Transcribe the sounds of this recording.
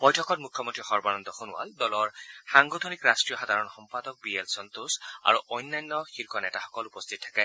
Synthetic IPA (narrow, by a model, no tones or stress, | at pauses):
bɔjtʰɔkɔt̚mukʰjɔmɔntɹixɔɹbaɹɔnd̪ɔxɔnʊa̰ldɔlɔɹxaŋɡɔd̪ʱonikɹastɹijɔxad̪ʱaɹɔnxɔmpadɔk̚bielsɔnt̪usa̰ɹuʔɔjnːajnːɔxiɹkʰɔnɛtaxɔ̥kɔlupɔst̪ʰit̚tʰːḁkɛ